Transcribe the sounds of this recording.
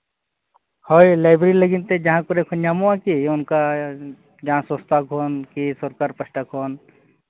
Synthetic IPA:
hojlaːɪbɾeɾiləɡint̪ed͡ʒɐɦãkoɾekʰoɲamoãkiʊnka | d͡ʒɐɦãsəst̪ʰakoːnkisoɾkaɾpəsʈakoːn

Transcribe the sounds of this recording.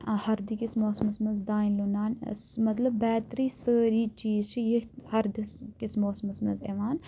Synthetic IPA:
hɐɾd̪ikismoːsmɐsmɐzd̪aːinlunaːnsmɐt̪lɐbbɛːt̪ɾiːsəːɾiːt͡ʃiːzt͡ʃʰijiɦhɐɾd̪iskismoːsmɐsmɐ̰zḛʋaːn

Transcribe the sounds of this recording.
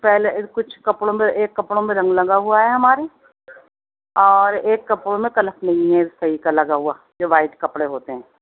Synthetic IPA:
pɛːlekʊt͡ʃʰkɐpɽõmẽeːkːɐpɽõmẽɾɐ̃ŋɡlɐɡaɦuaɦɛɦɐmaːɾe | ɔːɾeːkːɐpɽõmẽkɐləpnɐ̃ɦĩẽsɐɦikalɐɡaɦʊa | d͡ʒoːʋaːɪʈkɐpɽeɦoːt̪eɦɛ̃ː

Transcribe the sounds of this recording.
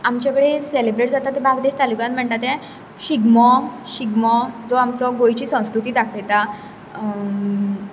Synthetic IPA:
amt͡ɕakəɽeselebɾeʈd͡zat̪at̪ːebaɡd̪eɕt̪alukãnm̤əɳt̪at̪ɛ̃ | ɕiɡmɔɕiɡmɔd͡zoamt͡sɔɡojt͡ɕiːsə̃w̃skɾut̪iːd̪akʰəjt̪a

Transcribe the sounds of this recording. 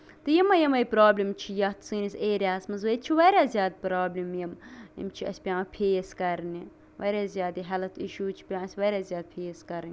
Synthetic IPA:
t̪ɨjimɐjɐmɐjpɾaːblimt͡ʃʰijɐt̪ʰsɨːniseːɾjaːsmɐzʋɐjt̪t͡ʃʰiʋɐːɾʲjaːzʲjaːd̪̚pɾaːblʲimjɐmjɐ̰mt͡ʃʰiɐ̰sʲpʲãːpʰeːjskɐɾnʲi | ʋɐːɾʲaːzʲjaːd̪iɦɐlɐt̪ʰiʃuːt͡ʃʰi̥pʲãːɐsʲʋɐːɾʲaːzʲjaːd̪̚pʰeːskɐɾnʲ

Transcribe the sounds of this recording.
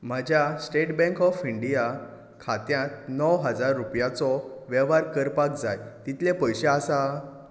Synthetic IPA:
m̤ad͡ʑʱjasʈeʈbɛ̃ŋkɔfiɳɖija | kʰat̪jãt̪̚nɔwɦəd͡zaɾːupjat͡sɔʋɛʋaɾkəɾpak̚d͡zajt̪it̪ʰlepəjɕẽasa

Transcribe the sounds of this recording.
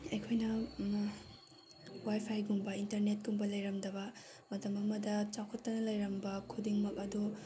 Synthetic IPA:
ɐjkʰojnɐ | wajpʰajɡumbɐintɐɾnet̚ɡumbɐlɐjɾɐmdɐbɐ | mɐtɐmɐmɐdɐt͡ʃawkʰɐtːɐnɐlɐjɾɐmbɐkʰudiŋmɐkɐdu

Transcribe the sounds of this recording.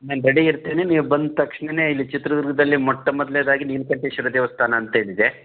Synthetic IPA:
naːnɾɐɽiiɾt̪eːneniːʋubɐnd̪t̪ɐkʂɳene̞ːilːit͡ʃit̪ɾɐd̪uɾɡɐd̪ɐlːimɔʈːɐmɔd̪led̪aːɡiniːlkɐɳʈeʃuɾɐd̪ɛːʋɐst̪ʰaːnɐːnt̪ɐɦeːɭid̪e

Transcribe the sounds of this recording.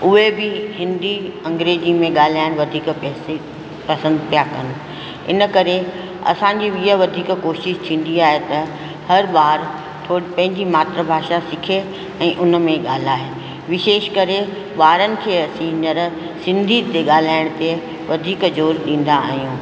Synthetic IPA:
ʊɦebɪhɪ̃nd̪iɐ̃ŋɡɾeːd͡ʑimẽɠaːl̤aːɪɽ̃ʋɐd̪ʱiːkɛːse | pɐsə̃nd̪pʰijakɐnɪ̆ | ɪ̰nəkɐɾe | ɐ̰sãɲd͡ʑiʋiːəʋɐd̪ʱiːkkoːʃɪʃt̪ʰĩːn̆d̪iaːɦet̪ɐ | hɐɾɓaːɾ | t̪ʰoːɽipɐ̃ɦɪ̃ɲd͡ʑimaːt̪ɾəbʱaːʃasɪkʰe | ɛ̃ːʔʊnmẽɠaːl̤aːɦeː | ʋɪʃeːʃkɐɾe | ɓaːɾənɪ̆kʰeːɐsĩːɲəɾ | sɪ̃nd̪ʱit̪eɠaːl̤aːɪɽ̃t̪e | ʋɐd̪ʱiːkd͡ʑoːɾɗĩːn̆d̪a̰ːɦijũː

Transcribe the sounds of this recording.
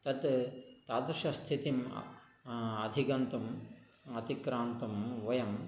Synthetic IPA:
t̪ɐt̪t̪aːd̪ɾʃɐst̪ʰit̪im | ɐd̪ʱikɐnt̪um | ɐt̪ikɾaːnt̪umʋɐjɐm

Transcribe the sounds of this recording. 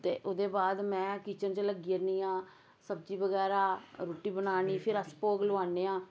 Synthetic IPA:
t̪ḛːʔoːd̪eːbaːd̪mɛ̃ːkiːt͡ʃənt͡ʃələɡiːəɾniːãː | səbd͡ʒiːbəɡɛːɾaːɾoːʈiːbənaːniːpʰɪɾəspoːɡlʊaːneːãː

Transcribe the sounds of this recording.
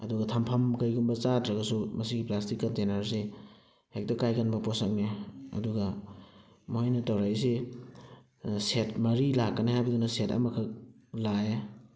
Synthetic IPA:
ɐduɡɐtʰɐmpʰɐmkɐjɡumbɐt͡ʃatɾɐɡɐsumɐsiɡiplastikːɐntenɐɾsi | hek̚tɐkajkanbɐposak̚neɐ̰duɡɐ | mojnɐtɐwɾajs̬i | setmɐɾilakːɐnehajbɐdunɐsetɐ̰mɐkʰɐk̚ | lae

